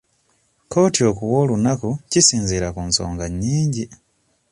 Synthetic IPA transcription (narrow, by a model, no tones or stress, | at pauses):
kotiokuwolunakucisiːnziɾakunso̰ːŋɡaɲiːɲɟi